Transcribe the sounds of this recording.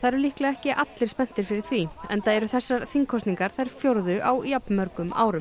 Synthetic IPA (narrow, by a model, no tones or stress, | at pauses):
θaðɾɛɾlihklɛɣɛhcɪʔat̪lɪɾ̥spɛn̥t̪ɪɾ̥fɪɾɪɾ̥θviɛ̰nt̪aɛɾʏθɛsːaɾθiŋkʰɔst̪niŋkaɾ̥θajɾ̥fjoɾðʏʔawjapnmœɾkʏmʔa̰ːwɾʏm